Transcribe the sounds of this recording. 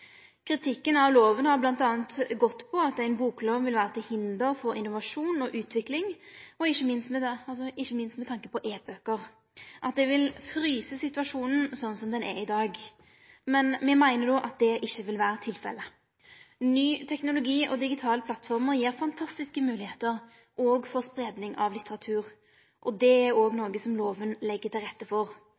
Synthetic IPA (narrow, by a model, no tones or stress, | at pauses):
kʰɾɪt̪ʰɪkːənɑʋloːʋənhɑblɑnt̪ɑːnt̪ɡɔt̪ːpʰɔɑt̪æɪnbuːkloːʋʋɪlʋæːɾət̪ɪhɪnd̪əɾfɔɾɪnːʊʋɑʂuːnɔʔʉːt̪ʰʋɪklɪŋɔɪçːəmɪnst̪mɛɑlsɔɪçːəmɪnst̪mɛt̪ʰɑŋkəpɔʔeːbøːkəʁ | ʔɑt̪̚d̪ɛʋɪlfɾyːsəsɪt̪ʉɑʂuːnən̩sɔnːsɔmd̪ɛnʔɛ̰ɪd̪ɑːɡ | mɛnmɛmæɪnəd̪ɔʔɑt̪̚d̪ɛʔɪçːəʋɪlʋæːɾət̪ʰɪlfɛ̰lːə | nyːt̪ʰɛknʊlʊɡiːʔɔd̪ɪɡɪt̪ʰɑːləpʰlɑt̪ːfɔʁməʁjiːʁfɑnt̪ʰɑst̪ɪskəmʉːlɪheːt̪əʁ | ʔɔːɡfɔʁspʁeːd̪nɪŋɑʋlɪt̪əʁɑt̪ʰʉːʁ | ʔɔd̪ɛæɾoːɡnoːɡəsɔmloːʋənlɛɡːət̪ʰɪlʁɛt̪ːəfɔʁ